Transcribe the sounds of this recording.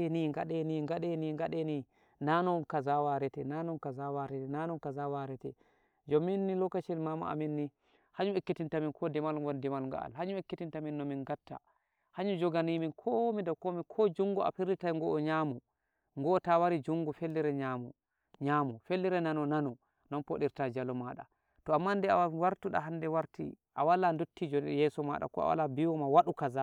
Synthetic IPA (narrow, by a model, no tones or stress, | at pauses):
niŋɡa̰ɗɛniŋɡaɗɛniŋɡaɗɛni | nanɔnkazawaɾɛtɛnanɔnkazawaɾɛtɛnanɔnkazawaɾɛtɛ | d͡ʒɔminːilɔkːat͡ʃilmama̰ʔa̰minːi | haɲumekːitintaminkʰɔdɛmalŋɡɔndɛmalŋɡa̰a̰lhaɲumekːitintaminːɔminɡatːa̰ | haɲud͡ʒɔɡaniminkʰɔmidawkomikʰɔd͡ʒuŋɡua̰fiɾitaŋɡɔʔɔɲamu | ŋɡɔːtawaɾid͡ʒuŋɡufelːiɾɛɲamu | ɲamufelːiɾɛnanɔnanɔ | nɔnpoɗiɾtad͡ʒalɔmaɗa̰ | tɔamːandɛawaɾtuɗa̰ɦandɛwaɾtḭʔa̰walandotːid͡ʒɔnjɛsɔma̰ɗa̰kɔ̰a̰wa̰labiwɔmawaɗukaza